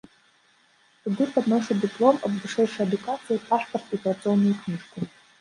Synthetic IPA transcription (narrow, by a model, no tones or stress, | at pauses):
sɨd̪ɨpʰad̪noʂad̪ipʼlˠo̞ma̰bvɨʂejʂaːd̪ukʼat͡sʰɨjapʰaħportʰipʼrat͡sʼɨonːɨjkʰniʂkʰʷʼu